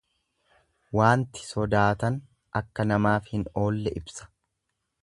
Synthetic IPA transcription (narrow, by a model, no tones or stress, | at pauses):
waːnt̪ɪ̥sɔd̪aːt̪ɐn | ʔɐkːɐnɐmaːfhɪno̞ːlːɛʔɪbsɐ̥